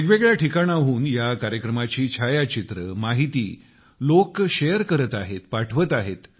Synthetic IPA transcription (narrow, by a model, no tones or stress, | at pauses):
eɡʋeɡɭjaʈʰikaɽ̃aɦuːnjakaɾjəkɾəmat͡ɕiːt͡ɕʰajat͡ɕit̪ɾəmaɦit̪iː | lokɕejəɾkəɾət̪aɦet̪paʈʰʋət̪aɦet̪